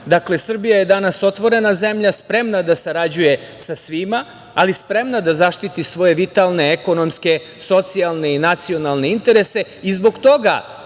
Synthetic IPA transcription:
d̪akle̞sr̩bijaje̞d̪anaso̞t̪ʋo̞ɾe̞naze̞mʎaspɾe̞mnad̪asaɾad͡ʑuje̞sasʋimaː | lispɾe̞mnad̪azaʃt̪it̪isʋo̞je̞ʋit̪alˠne̞eko̞no̞mske̞ | so̞t̪sialˠne̞inat̪sio̞nalˠne̞int̪e̞ɾe̞se̞ | izbo̞ɡt̪o̞ɡa̰

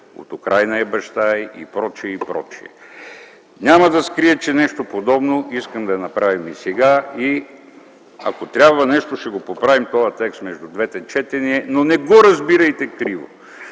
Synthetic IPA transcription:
o̰t̪ʊkɾʔajnɐɛbɐʃt̪ajʔḭpɾɔt͡ʃiɛipɾɔ̰t͡ʃiɛ̰ | nʲamɐd̪ɐskɾiɛt͡ʃɛnɛʃt̪opod̪ɔbnoiskəmd̪ɐɛnɐpɾavimisɛɡai | ɐ̰kot̪ɾʲabvɐnɛʃt̪oʃt̪ɛɡopopɾavimt̪ɔjɐt̪ɛkst̪mɛʒd̪ud̪vɛt̪ɛt͡ʃɛt̪ɛniɛnonɛɡoɾɐzbiɾɐjt̪ɛkɾivo̰

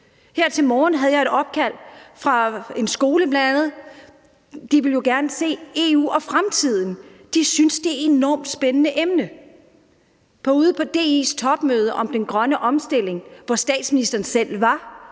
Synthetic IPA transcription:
heɐ̰t͡sʰe̝lmɒːn̩ɦæð̞ˠjɑ̈e̝ɾ̥ɒ̽b̥̚kʰæl̰fʁɑ̈e̝nsɡ̥o̝ːləb̥læænænð̞̩ˠ | d̥iʋe̝ljo̝ɡ̥æɐnəse̝̰ːe̝ṵːɒ̽fʁamt͡sʰið̞̰ˠn̩d̥isynsd̥e̝æe̝nɒ̰ːmd̥sb̥enənəʔemnə | pʰɒ̽uːð̞ˠəpʰɒ̽d̥e̝̰ːḛːst͡sʰɒ̽b̥møːð̞ˠəʔɒ̽md̥enɡ̥ʁɶnəʔɒ̽msd̥e̝l̰e̝ŋʋɒsd̥ɛ̰ːd̥sminisd̥ɐːn̩sel̰ʋɑ̈

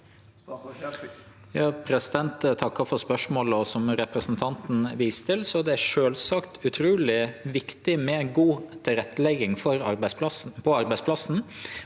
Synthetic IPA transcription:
jɑːpʰɾɛsɪd̪ɛnt̪t̪ʰɑkːɑfɔɾspœʂmoːləɔsɔmɾɛpɾəsnt̪ʰɑnt̪n̩ʋiːst̪ʰɪlsɔd̪ɛæɾʂøːlsɑkt̪ʉt̪ʰɾuːlɪʋɪkt̪ɪmɛnɡuːt̪ʰɪlɾɛt̪ːəlɛɡːɪŋfɔɾɑɾbæɪspʰɔɑɾbæɪspʰlɑsn̩

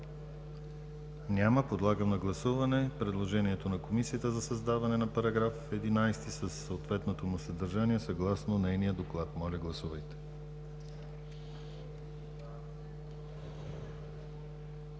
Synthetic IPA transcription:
nʲaməpod̪lˠaɡəmnɐɡlˠɐsuvɐnɛpɾɛd̪lˠoʒɛniɛt̪onɐkomisiət̪əzɐsɐzd̪avɐnɛnɐpɐɾɐɡɾafɛd̪inajst̪isəsːəot̪vɛt̪not̪omʊsɐd̪əɾʒaniɛsɐɡlˠasnonɛjnijəd̪oklˠat̪mɔlʲɐɡlˠɐsuvəjt̪ɛ̥

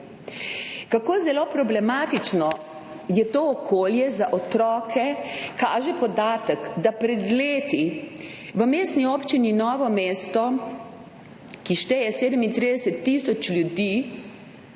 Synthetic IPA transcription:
kakoːzɛloːpɾɔblɛmaːt̪it͡ʃnɔ | jɛt̪oːɔkʰoːljɛzaʔɔt̪ɾɔːkʰɛkaːʒɛpɔd̪aːt̪əkd̪apɾɛd̪leːt̪i | ʋəmeːst̪niɔːpt͡ʃininɔːʋɔmeːst̪ɔ | kiʃt̪ɛjɛseːd̪əmint̪ɾiːd̪ɛsɛt̪ːiːsɔt͡ʃljud̪iː

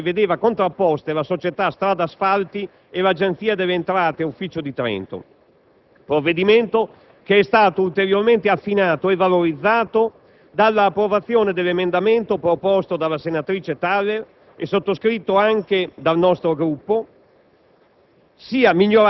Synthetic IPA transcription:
ved̪eːvakont̪ɾapːɔst̪elasot͡ʃet̪ast̪ɾaːd̪asfalt̪i | elad͡ʒent̪siːad̪elːeːnt̪ɾaːt̪eufːiːt͡ʃod̪it̪ɾɛ̰nt̪o̰ | pɾovːed̪iment̪o | keɛst̪aːt̪oult̪eɾjorment̪eafːinaːt̪oevaloɾid̪zːaːt̪o | d̪alːaːpːɾovat̪sːjoːned̪elːemend̪ament̪opɾopɔst̪od̪alːasenat̪ɾiːt͡ʃet̪alːer | ḛsot̪ːoskɾit̪ːoaŋked̪alnɔst̪ɾoɡɾupːo | siːamiʎːoɾ

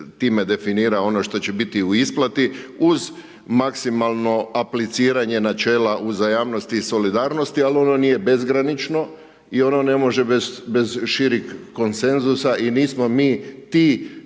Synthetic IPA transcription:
t̪iːme̞d̪e̞finiːɾao̞no̞ʃt̪o̞t͡ɕe̞bit̪iuisplˠat̪iuz | maksimalˠno̞aplit̪siːɾaɲe̞nat͡ʃe̞ːlaʔuzajaːʋnost̪iso̞lid̪aːɾno̞st̪ialio̞no̞niːje̞be̞zɡɾanit͡ʃno̞ | io̞no̞ne̞mo̞ʒe̞bebe̞zʃiɾikko̞nse̞nzusaʔiniːsmo̞miːt̪iː

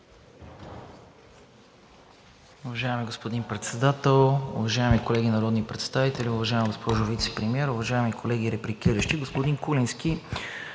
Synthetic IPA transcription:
ʊvɐʒaɛmiɡospod̪inpɾɛt̪sɛd̪at̪ɛlˠʊ̰vɐʒaɛmikolɛɡʲinɐɾɔd̪nipɾɛt̪st̪avit̪ɛlʲiʊvɐʒaɛmiɡospɔʒʊvit̪sɛ̥pɾimiɛɾʊvɐʒaɛmikʰolɛɡ̟iɾɛpɾikiɾəʃt̪iɡospod̪inkulinski

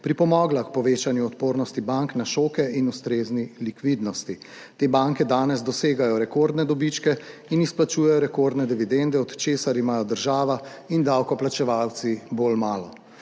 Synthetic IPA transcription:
pɾipɔmɔːɡlakpɔʋeːt͡ʃanjuɔt̪poːɾnɔst̪ibaŋknaʃoːkɛʔinust̪ɾeːznilikʋid̪nɔst̪i | t̪eːbaŋkɛd̪aːnɛzd̪ɔseːɡajɔɾɛkoɾd̪nɛd̪ɔbit͡ʃkɛinisplat͡ʃuːjɛjɔɾɛkoɾd̪nɛd̪iʋid̪ɛnd̪ɛɔt̪t͡ʃeːsaɾimaːjɔd̪əɾʒaːʋa | ind̪awkɔplat͡ʃɛʋawt̪sibolmaːlɔ

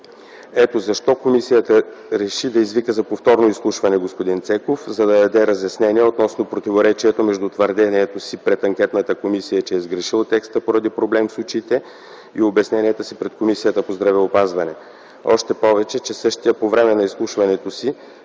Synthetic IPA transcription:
ɛt̪ozɐʃt̪ɔkomisijət̪əɾɛʃid̪ɐizvikəzɐpoft̪ɔɾnoislˠuʃvɐnɛɡospod̪int̪sɛkofzɐd̪ɐd̪ɐd̪ɛɾɐzjɐsnɛnʲiɛot̪nɔsnopɾot̪ivoɾɛt͡ʃiɛt̪omɛʒd̪ut̪vɐɾd̪ɛniɛt̪osipɾɛt̪ɐŋkʲɛt̪nət̪əkomisijət͡ʃɛːzɡɾɛʃilˠt̪ɛkst̪əpoɾɐd̪ipɾoblɛmsut͡ʃit̪ɛ | iobɛsnɛniɛt̪əsipɾɛt̪komisijət̪əpozd̪ɾɐvɛopazvɐnɛ | ɔ̰ʃt̪ɛpɔvɛt͡ʃɛt͡ʃɛsɤʃt̪ijəpovɾɛmɛnɐislˠuʃvɐnɛt̪osi

